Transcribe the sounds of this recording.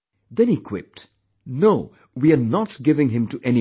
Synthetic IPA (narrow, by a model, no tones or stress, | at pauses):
d̪ɛ̃nhikʰw̥ɪ̰p̚t | noʊ | wianɔtɡɪvɪ̃ŋɦɪ̃mtuʔɛni